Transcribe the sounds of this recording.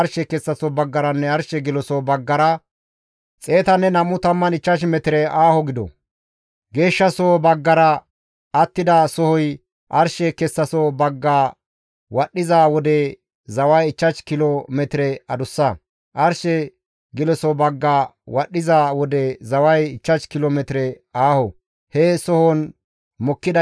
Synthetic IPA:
ɐɾʃɛkɛsːɐsɔbɐɡːɐɾɐnːɛɐɾʃɛɡɪlɔsɔbɐɡːɐɾɐ | t͡sʼe̞ːt̪ɐnːɛnɐmʊt̪ɐmːɐnɪt͡ʃːɐʃ̬mɛt̪ɪɾɛʔaːhɔɡɪd̪ɔ̰ | ɡe̞ːʃːɐsɔbɐɡːɐɾɐ | ɐt̪ːɪd̪ɐsɔhɔj | ʔɐɾʃɛkɛsːɐsɔbɐɡːaː | wɐɗːɪzaːwɔd̪ɛ | zɐwɐjɪt͡ʃːɐt͡ʃkɪlomɛt̪ɪɾɛɐd̪ʊsːɐ | ʔɐɾʃɛ | ɡɪlɛsɔbɐɡːaːwɐɗːɪzaːwɔd̪ɛzɐwɐjɪt͡ʃːɐt͡ʃkɪloːmɛt̪ɪɾɛ | aːhɔ | hɛsɔhɔn | mɔkːɪd̪ɐ

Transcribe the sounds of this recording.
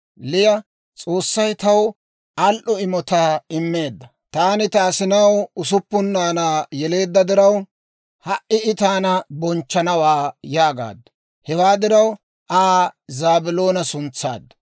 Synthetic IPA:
lɪjɐ | t͡sʼo̞ːsːɐjt̪ɐw | ɐlʔɔɪmɔt̪aːɪmːe̞ːd̪ːɐ | t̪aːnɪt̪aːsɪnɐwʊsʊpːʊnːaːnaːjɛle̞ːd̪ːɐd̪ɪɾɐw | hɐʔɪɪt̪aːnɐbɔnt͡ʃːɐnɐwaːjaːɡa̰ːd̪ːɐ̥ | hɛwaːd̪ɪɾɐw | ʔaːzaːbɪlo̞ːnɐsʊnt͡sːa̰ːd̪ːɐ

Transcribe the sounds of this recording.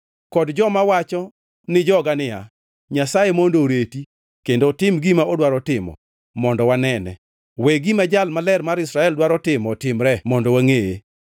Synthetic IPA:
kɔdd͡ʒɔmawat͡ʃɔ | nɪd͡ʒɔɡanɪa̰ | ɲasajemondoɾeti | kendotɪmɡimaodwaɾɔtɪmɔ̰ | mɔndɔwanɛnɛ | weɡimad͡ʒalmalɛrmaɾɪsɾaɛldwaɾɔtɪmɔtɪmɾɛmɔndɔwaŋeje

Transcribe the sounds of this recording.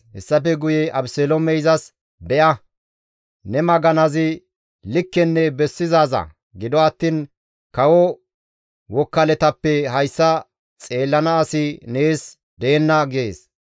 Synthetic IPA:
hɛsːɐpɛɡʊjɛɐbsɛlɔmɛjzɐs | bɛʔɐ | nɛmɐɡɐnɐzɪ | lɪkːɛnːɛbɛsːɪzaːzɐ̰ | ɡɪd̪ɔɐt̪ːiːn | kɐwɔ | wɔkːɐlɛt̪ɐpːɛɦɐjsːɐ | t͡sʼe̞ːlːɐnɐːsɪne̞ːs | d̪e̞ːnːɐɡɪḛːs

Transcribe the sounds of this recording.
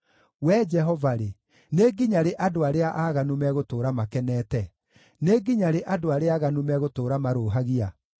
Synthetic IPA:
wɛd͡ʒɛɦɔvaɾe | neɡiɲaɾeʔadoaɾeaʔaːɣanumɛɣotoːɾamakɛnɛːtɛ | neɡiɲaɾeʔadoaɾeaːɣanumɛɣotoːɾamaɾoːɦaɣia

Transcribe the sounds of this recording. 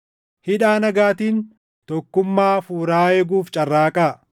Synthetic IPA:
hɪᶑaːnɐɡaːt̪iːn | t̪ɔkːʊmːaːfuːɾaːɛɡuːft͡ʃʼɐrːaːkʼaː

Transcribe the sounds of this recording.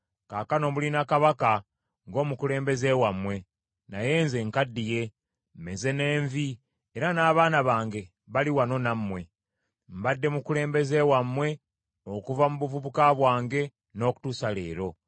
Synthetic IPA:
kakano̞mulinakaβaka | ŋɡo̞ːmukule̞ːmbe̞ze̞wamːwe̞ | naje̞ːnze̞ŋkadːije̞ | mmeze̞ne̞ːɱvi | eɾanaːβaːnaβaːŋɡe̞ | βaliwano̞namːwe̞ | mbadːe̞mukule̞ːmbe̞ze̞ːwamːwe̞ | okuvamuβuvuβukaβwaːŋɡe̞ | no̞ːku̥tusale̞ːɾo̞

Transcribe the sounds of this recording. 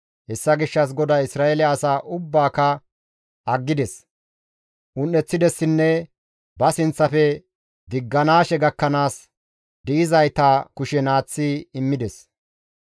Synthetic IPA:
hɛsːɐɡɪʃːɐs̬ɡɔd̪aːɪsɾaːɛlɛɐsaːʔʊbːaːkɐ | ɐɡːɪd̪ɛs | ʔʊnːɛt͡sːɪd̪ɛsːɪnːɛ | bɐsɪnt͡sːɐfɛ | d̪ɪɡːɐnaːʃɛɡɐkːɐnaːs | d̪ɪʔɪzɐjt̪aːkʊʃɛnaːt͡sːiɪmːɪd̪ɛs

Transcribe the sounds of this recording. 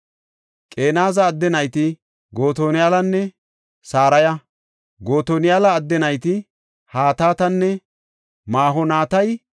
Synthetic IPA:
kʼe̞ːnaːzɐːd̪ːɛnɐjt̪ɪ | ɡo̞ːt̪oːnɪjaːlɐnːɛ | saːɾɐjɐ | ɡo̞ːt̪oːnɪjaːlɐːd̪ːɛnɐjt̪ɪ | haːt̪aːt̪ɐnːɛ | maːɦɔnaːt̪ɐj

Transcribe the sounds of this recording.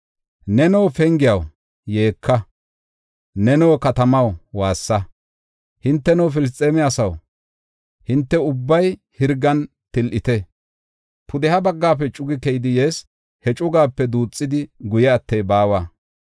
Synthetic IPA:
nɛnɔwfɛŋɡɪjɐw | je̞ːkʰːɐ | nɛnɔwkɐt̪ɐmɐwwaːsːɐ | hɪnt̪ːɛnɔwf̬ɪlɪs̬t̪ʼeːmɪjaːsɐw | hɪnt̪ːɛʊbːɐj | hɪɾɡɐn | t̪ɪlʔɪt̪ɛ | pʰʊd̪ɛhɐbɐɡːaːp̬ːɛt͡ʃʼʊɡɪkɛjd̪ɪjeːs | hɛt͡ʃʼʊɡaːpːɛd̪uːt͡sʼːɪd̪ɪɡʊjɛɐt̪ːɛjbaːwaː

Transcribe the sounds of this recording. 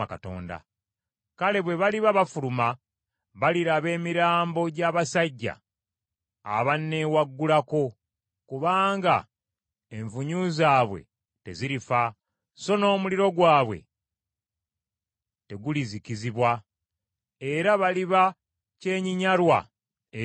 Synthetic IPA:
akato̞̰ːnda̰ | kale̞βwe̞βaliβaβafuluma | βaliɾaβe̞ːmiɾaːmbo̞ɟaβasaɟːa̰ | βanːewaɡːulako̞ | kuβaːŋɡa̰ | eɱvuɲuzaːβwe̞̰ | te̞̰ziɾifa | so̞no̞ːmuliɾo̞ɡwaːβwe̞̰ | te̞ɡuliziciziβwa | e̞ɾaβaliβa | ce̞ːɲiɲaɾwa̰

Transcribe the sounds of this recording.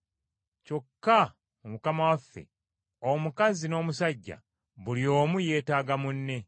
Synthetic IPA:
co̞kːa | mumukamawafːḛ | omukazino̞ːmusaɟːa̰ | βuljo̞ːmuje̞ːtaːɡamunːe̞

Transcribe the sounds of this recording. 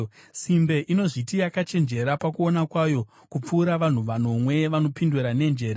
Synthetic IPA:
simbe̞ʔino̞ʐitijakat͡ʃe̞nd͡ʒe̞ɾapakuo̞nakwajo̞ | kup͡fuːɾaʋan̤uʋano̞mwe̞ʋano̞pinduɾane̞nd͡ʒe̞ːɾa

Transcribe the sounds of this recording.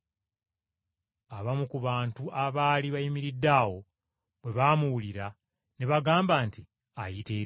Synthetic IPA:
aβamukuβaːntuʔaβaːliβajimiɾidːaːwo̞ | βwe̞βaːmuwuliɾa | neβaɡaːmbaːnti | ajiteː

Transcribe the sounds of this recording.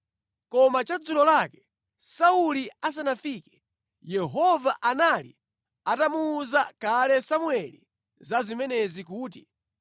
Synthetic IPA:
kɔmat͡ʃad͡zuɾɔlakɛ̥ | saulias̬anafiːkɛ̥ | jɛɦɔvaʔanalḭ | atamuːzakalɛsamwɛlḭ | zazimɛnɛzikuːt̬i

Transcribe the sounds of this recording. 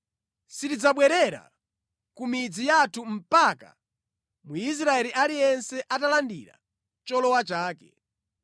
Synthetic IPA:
sitid͡zaɓwɛɾɛɾa̰ | kumid͡zijatʰum̩paka̰ | muis̬ɾaɛliʔalijɛnsɛʔatalandḭɾa̰ | t͡ʃɔlɔwat͡ʃaːkɛ

